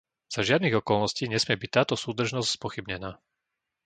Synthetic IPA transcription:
z̥aʒɪad̪niɣɔkɔlnɔsciːɲɛsmɪɛbic̚t̪ːaːt̪ɔsuːd̪r̩ʒnɔscspɔxibɲɛnaː

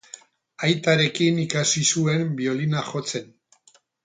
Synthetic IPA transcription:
ajt̪aɾe̞kinikasisue̞mbio̞linaxo̞t͡se̞n

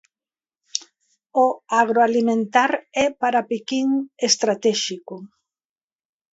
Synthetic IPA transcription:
oaɣɾoalimẽnt̪aɾɛpaɾapikiŋest̪ɾat̪ɛʃikʊ

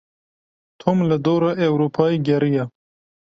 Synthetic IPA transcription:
t̪ʰomlɐd̪oːɾaʔewɾupʰɑːiɡʲɐɾija

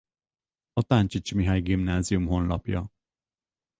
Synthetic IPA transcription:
ɒt̪ant͡ʃit͡ʃmiɦajɡimnaːziumɦo̞nlɒpjɒ

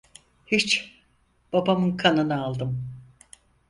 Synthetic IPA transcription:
hit͡ʃ | b̥abamɯnkʰanɯnɯalˠd̪ɯm

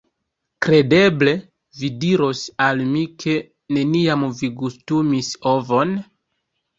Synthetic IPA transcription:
kɾe̞de̞ble̞ | vidiɾo̞salmikʰe̞ | ne̞niamviɡustumisovo̞n

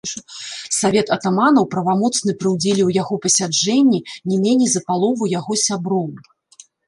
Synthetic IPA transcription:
savʲɛt̪ɐt̪amanɐwpɾɐvamɔt̪snɨpɾɨwd͡zʲɛlʲiwjaɣɔpɐsʲad͡ʐɛnʲːinʲɛmʲenʲɛjzɐpalˠɔvɐwjaɣɔsʲabɾɔw

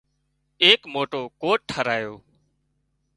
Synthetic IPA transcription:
eːkmoːʈoːkoːʈʈʰːəɾaːjoː

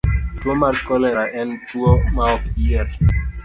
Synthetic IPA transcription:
twomaɾkɔlɛɾaʔɛntuɔmaɔiɛɾ

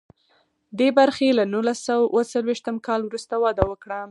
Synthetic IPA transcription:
d̪ebaɾxelanulasawawət͡salweʃt̪əmkɑlwɾust̪awɑd̪awəkɽa

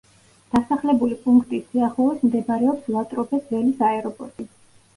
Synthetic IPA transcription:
d̪̥asaχlɛbulipʼũŋkʰt̪ʼisiaχlˠɔismd̪ɛbaɾɛɔpslˠat̪ʼɾɔbɛsvɛlisaɛɾɔpʼɔ̰ɾt̪ʼi

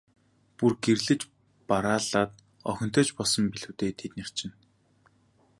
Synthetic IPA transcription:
purɡerɮɘ̆t͡ɕ | paɾaːɮaːt̪ | ɔxʲɞ̆n̥t̪œːt͡ɕpɔɮsɞ̆mpiɮɘ̆wt̪eːt̪ʰet̪ner̥t͡ɕɪ̆n

